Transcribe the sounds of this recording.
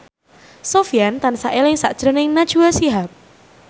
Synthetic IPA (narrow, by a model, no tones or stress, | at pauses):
sofiant̪ansaʔelɪŋsa̰ʔd̥ʒ̥ɾənɪŋnad̥ʒ̥uəsiɦap̚